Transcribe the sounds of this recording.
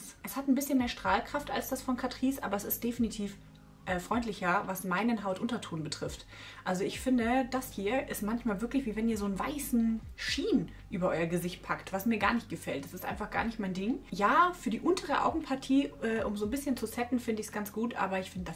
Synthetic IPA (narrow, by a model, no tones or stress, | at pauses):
sʔɛshatn̩bɪsçənmeːɐʃtʁ̥aːlkʁ̥afta̰lsd̥asfɔnkʰatʁ̥iːsʔaːbɐɛsɪst̚d̥efinitʰiːf | ʔɛːfʁ̥ɔʏntlɪçɐvasmaɪnənɦaʊtʔʊntɐtʰoːnbətʁ̥ɪft | ʔalzoɪçfɪndəd̥ashiːɐʔɪstmançmaːlvɪɐklɪçv̥iːvɛniːɐzoːnvaɪsn̩ʃiːn | ʔyːbɐʔɔʏɐɡəzɪçt̚pʰaktv̥asmiːɐɡaːɐnɪçt̚ɡ̥əfɛlt̚d̥ḁsɪstʔa̰ɪnfaχɡ̥a̰ːɐnɪçtmaɪndɪŋjaːfyːɐdiːʔʊntʰəʁ̞əʔa̰ʊɡŋ̩pʰaɐtʰiːʔɛːʔʊmzoːnbɪsçənt͡susɛtn̩fɪndəɪçsɡ̥ant͡sɡ̥uːtʔa̰ːbɐɪçfɪndəda